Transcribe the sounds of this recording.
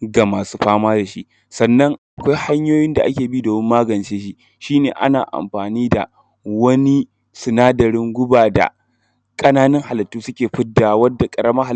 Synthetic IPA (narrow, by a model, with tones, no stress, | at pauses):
ɡa˨maː˨suː˦ɸaː˦maː˦da˨ʃḭ˦ʔ | sɐ˨nːɐ˦ŋʔa˨kʷa˦jha˦ɲjoː˦jɪ˦nda˨ʔa˦kʲeː˨bi˦doː˨mɪ˦mːaː˦ɡɐ˨nt͡ʃeː˦ʃi˦ | ʃiː˦neː˨ʔa̰˦naː˨ʔa̰˨mɸaː˨niː˦da̰˨ | wɐ˦ni˦ | sʊ˨naː˦dɐ˨ɾɪ˦ŋɡʷʊ˦baː˨da̰˨ | kʼɐ˦naː˦nɪ˦ŋha˨lɐ˨tːuː˦sʊ˦kʲeː˨ɸɪ˦dːa˨wɐ˦dːa˨kʼɐ˨ɾɐ˦mɐ˦ha˨